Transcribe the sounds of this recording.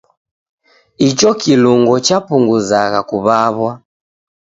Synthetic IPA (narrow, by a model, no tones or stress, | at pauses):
it͡ʃɔkiluŋɡɔt͡ʃapuŋɡuzaɣakuβaβwa